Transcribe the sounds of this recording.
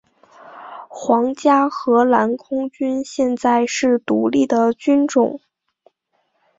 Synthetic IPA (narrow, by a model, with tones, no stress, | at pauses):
xwɑ˧˥ŋt͡ɕja˥xɤ˧˥la˧˥nkʰʊ˥ŋt͡ɕy˥nɕjɛ˥˧nt͡sa˥˧ɪʂɻ̩˥˩t̪u˧˥li˥˩d̪ə˩t͡ɕy˥nʈ͡ʂʊ˨˩˦ŋ